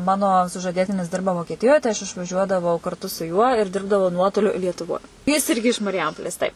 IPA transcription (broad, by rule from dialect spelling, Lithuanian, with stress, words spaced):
ˈmɑːnoː sʊʒɐˈdʲeːtʲɪnʲɪs ˈdʲɪrbɐ ʋoːkʲiɛˈtʲɪjoːj tɐɪ ɐʃ ɪʃʋɐˈʒʲuɔdɐʋɐʊ kɐrˈtʊ sʊ juɔ ɪr ˈdʲɪrbdɐʋɐʊ ˈnuɔtoːlʲʊ lʲiɛtʊˈʋoːj jɪs ˈɪrʲɡʲɪ ɪʃ mɐrʲˈjɛmpoːlʲeːs ˈtɐɪp